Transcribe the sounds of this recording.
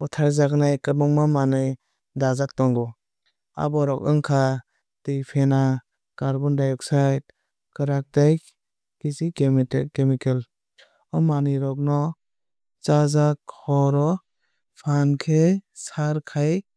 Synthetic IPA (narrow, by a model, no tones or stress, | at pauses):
bɔtʰaɾzaknajkɯmɔŋmamanɯj | dazak̚tɔŋɡɔ | a̰bɔɾɔkɯŋkʰa | tijpʰena | kaɾbɔndajɔk̚sajt̚ | kɯɾak̚taj | kizikemkemikel | ɔmanɯjɾɔk̚nɔ | t͡ʃazakʰɔɾɔ | pʰankʰesaɾkʰaj